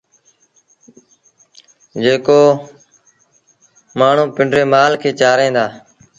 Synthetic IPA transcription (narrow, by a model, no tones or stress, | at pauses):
d͡ʒeːkoː | maːɳ̤ũːpɪɳɖɾeːmaːlkʰeːt͡ʃaːɾẽːnd̪aː